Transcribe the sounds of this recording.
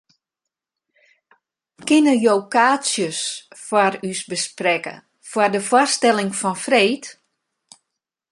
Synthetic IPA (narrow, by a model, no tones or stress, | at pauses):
kɪnəjoːkaːsjəsfwarysbəsprɛkə̰ | fwɔrdəfwɔstɛlɪŋfɔnfreːt